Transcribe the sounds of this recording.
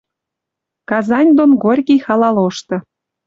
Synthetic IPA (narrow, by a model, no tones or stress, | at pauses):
kɑzɑnʲd̪onɡorʲɣʲijxɑlɑloʃt̪ɤ̆